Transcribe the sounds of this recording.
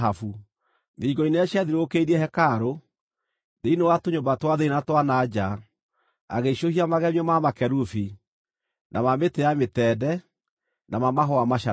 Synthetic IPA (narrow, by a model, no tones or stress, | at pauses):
afu | ðiɡɔineaɕjaðiɾoːkeiɾiɛhɛkaɾo | deinowatoɲombatwaðeinatwanad͡ʒa | a̰ɣeɕohiamaɣɛmiɔmamakɛɾufi | nʔamametejametɛːdɛ | nʔamamaɦɔamaʃa